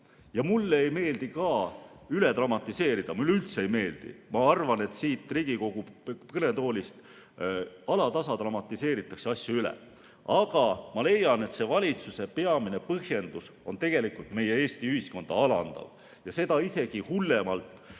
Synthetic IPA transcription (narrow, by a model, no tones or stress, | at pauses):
jɑmulːeejme̞ːld̪ikɑː | yle̞t̪rɑmɑt̪ːˑise̞ːɾid̪̥ɑmulːylt̪seejme̞ːld̪̥ḭmɑɑrvɑne̞t̪siːt̪ˑriːɡ̥iko̞ɡ̥ukɤne̞t̪o̞ːlʲist̪ | ɑlɑt̪ɑsɑt̪rɑmɑt̪ːˑise̞ːɾit̪ːˑɑkseɑsjɑylɛ̰ | ɑɡ̥ɑmɑle̞jːɑne̞t̪se̞vɑlʲit̪suse̞pe̞ɑmine̞pɤhje̞nd̪̥uso̞nt̪e̞ɡ̥e̞likult̪me̞jee̞ːst̪iyhisko̞nd̪ɑ̰ɑlɑ̰nd̪̥ɑ̰v | jɑse̞d̪̥ɑise̞ɡ̥ihulːe̞mɑlt̪ˑ